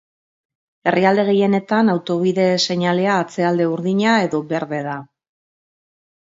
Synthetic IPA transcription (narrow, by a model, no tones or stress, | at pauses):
e̞riald̪e̞ɣ̞e̞je̞ne̞t̪anawt̪o̞β̞iðe̞se̞ɲale̞aːt͡se̞ald̪e̞uɾðiɲae̞ðo̞βe̞ɾðe̞ða